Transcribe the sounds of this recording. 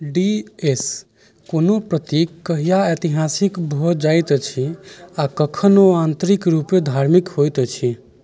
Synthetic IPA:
ɖies | konopɾət̪ikːəɦijaet̪iɦasikbʱɔd͡ʒajt̪t͡ʃʰiakəkʰənoant̪ɾikɾuped̪ʱaɾmikɦojt̪t͡ʃʰi

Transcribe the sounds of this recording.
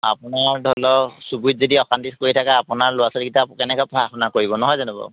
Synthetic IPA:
a̰pʊnaɹdʱɔlɔsubut̚zodiɔkandiskoɹitʰakaːpʊnaɹlʊasɔlɡitakɛnɛkɔpaapɔnakoɹibɔnɔɦɔjzanubɔ̰

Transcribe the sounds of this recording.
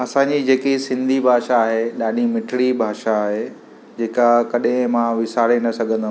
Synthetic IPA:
ɐsãːɲd͡ʑid͡ʑeːkisɪ̃nd̪ʱibʱaːʃaːɦeɗaːɗimɪʈʰɽibʱaːʃaːɦe | d͡ʑeːkakɐɗɦɪ̃mãʋɪsaːɾenɐsɐɡʱə̃nd̪a

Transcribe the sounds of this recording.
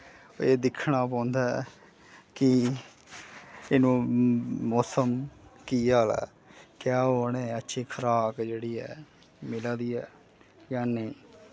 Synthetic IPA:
eːd̪ɪkʰɳaːp̬ãːnd̪aɛ | kɪ | eːnũːmɔːsəmkiːaːla̰ː | kjaːɦoːneːətːʃʰiːkʰəɾaːkd͡ʒeːɽiːɛː | mɪlãːd̪iːɛː | jãːnẽː

